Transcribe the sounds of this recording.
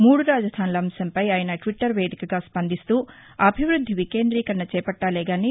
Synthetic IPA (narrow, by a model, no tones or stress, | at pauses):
muːɽuɾaːd͡ʒɐd̪ʱaːnulɐɐmsɐmpɐjaːjɐnɐʈʋiʈːɐɾʋe̞ːd̪ʱikɐɡaːspɐnd̪ist̪uː | ɐbʱiʋɾud̪ʱːiʋike̞ːnd̪ɾiːkɐnːɐt͡ʃɛːpɐʈːaːlɛːɡaːni